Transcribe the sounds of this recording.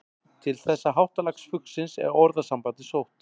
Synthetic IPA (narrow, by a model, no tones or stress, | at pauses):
t̪ʰɪlθɛsːaɦawht̪alaksfʏksɪnsɛ̰ɾɔɾðasampant̪ɪsowht̪